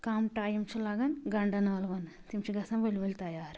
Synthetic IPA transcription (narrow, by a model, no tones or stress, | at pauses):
kaːmʈaːjɐmt͡ʃulaːɡɐnɡɐɳɖɐnaːlʋɐn | t̪imt͡ʃiɡɐsɐmʋelːiʋɐlit̪ɐjaːɾ